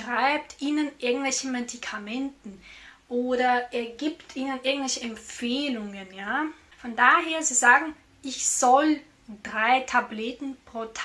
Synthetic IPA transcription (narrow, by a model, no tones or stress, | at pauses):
ʁ̥aɪp̚tʰʔiːnənʔɪɐɡŋ̩tv̥ɛlçn̩medikʰamɛntn̩ʔoːdɐʔeːɐɡiːptʰiːnənʔɪɐɡŋ̩tv̥ɛlçəɛmp͡feːlʊŋənjaː | fɔndaːɦeːɐziːzaːɡŋ̩ | ʔɪçz̥ɔl | d̥ʁaɪtʰabletn̩pʁ̥otʰ